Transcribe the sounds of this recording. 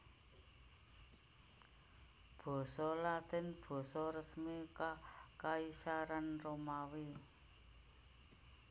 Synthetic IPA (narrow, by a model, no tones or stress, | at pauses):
b̥ɔ̤sɔlad̪̥ɪ̤nb̥ɔ̤sɔɾəsmikakaisaɾanromawe